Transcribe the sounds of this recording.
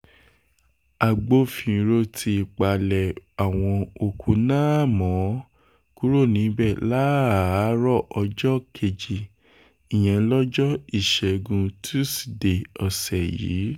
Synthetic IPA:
a˨ɡ͡bo˧fĩ˨ɾo˧tʰi˧i˨k͡pa˨lɛ˨a˨w̃ɔ̃˧o˨kʰu˨˦nãː˦mɔ̃˨˦ | ku˦ɾo˦˨nĩ˨˦bɛ˦˨la˨˦a˨˦ɾɔ˦˨ʔɔ˧d͡ʒɔ˦kʰe˧˨d͡ʒi˨ | i˨j̃ɛ̃˨lɔ˦d͡ʒɔ˦i˦˨ʃɛ˨ɡũ˧tʰu˦si̥˨de˨ɔ˨sɛ˨jḭː˨˦

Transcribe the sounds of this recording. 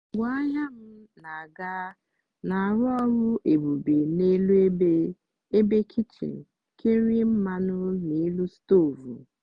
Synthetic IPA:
ɡʷa˦a˦ɲa˦m̩˦na˨a˨ɡa˦ | na˨ɾɔ˦ɾʊ˦ʔe˨bu˨be˨ne˦lu˦e˦be˦ | e˦be˦kʰi˦t͡ʃḭ˨ | kʰe˦ɾi˦m̩˦ma˦nʊ˦ni˨˦lu˦sto˦˨vṵ˨

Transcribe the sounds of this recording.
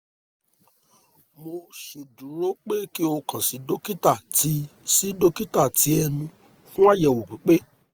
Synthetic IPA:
mo˧su˨du˨ɾo˨˦k͡pe˦ki˦o˧kã˨si˨˦do˦ki˦ta˦˨ti˨˦si˦do˦ki˦ta˦˨ti˨˦ɛ˧nũ˧ | fũ˦a˦jɛ˨wo˨bi˨˦k͡pe˦

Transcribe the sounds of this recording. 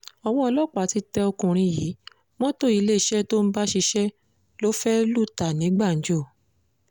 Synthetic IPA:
ɔ˧w̃ɔ̃˧ɔ˧lɔ˦˨k͡pa˨˦ti˧˦tɛ˧o˧kũ˨ɾ̃ĩ˧ji˨˦ | wɔ̃˦to˦i˨˧le˦i˨ʃɛ˦to˦n̩˦ba˦ʃi˧ʃɛ˦ | lo˦fɛ˦lu˦˨ta˨nĩ˨˦ɡ͡ba˦˨n̩˨˦d͡ʒo˦˨

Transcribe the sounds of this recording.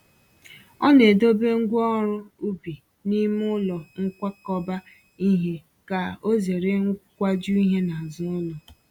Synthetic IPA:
ɔ˦ne˨do˦be˦ŋ̩˦ɡʷɔ˦ɾʊ˦u˦bi˨ | ni˦m˦ʊ˦lɔ˨ŋ̩˦kʷa˦kɔ˦ba˦ | i˦ɦe˦ | ka˨o˦ze˨ɾe˨ŋ˦kʷa˦d͡ʒu˦i˦ɦe˦na˨zʊ˦lɔ˨

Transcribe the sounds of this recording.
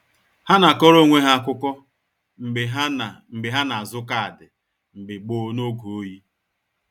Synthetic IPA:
ha˦na˨kɔ˦ɾo˦˨ŋʷe˦ɦa˦a˨kʷʊ˦kʷɔ˦ | m̩˨ɦm̩˨bɪ˨ɦa˦na˨a˨zʊ˦ka˦a˨dɪ˨ | m̩˨bɪ˨ɡ͡bo˨˦no˦ɡu˨o˦ji˦

